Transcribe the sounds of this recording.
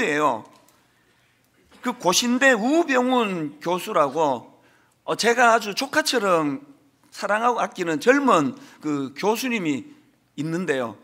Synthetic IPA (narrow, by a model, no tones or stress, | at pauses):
ejo̰ | kɯkoɕʰinde̞ubjʌŋunkjosʰuɾaɡo | ʌt͡ɕe̞ɡaɦad͡ʑut͡ɕʰokʰat͡ɕʰʌɾʌm | sʰaɾaŋɦaɡoat̚k͈inɯnt͡ɕʌɭmɯnkɯkjosʰuɲimiː | nːɯnde̞jo̰